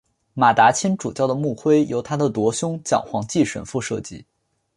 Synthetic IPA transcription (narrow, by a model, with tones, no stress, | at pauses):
ma˨˩t̪a˧˥t͡ɕʰi˥nʈ͡ʂu˨˩t͡ɕjɑ˥˩ʊd̪ə˩mu˥˩xwe˥ɪjo˧˥ʊt̪ʰa˥d̪ə˨t̪wɔ˧˥ɕjʊ˥ŋt͡ɕjɑ̰˨˩ŋxwɑ˧˥ŋt͡ɕi˥˩ʂwə̰˨˩nfu˥˧ʂɤ˥˩t͡ɕḭ˧˥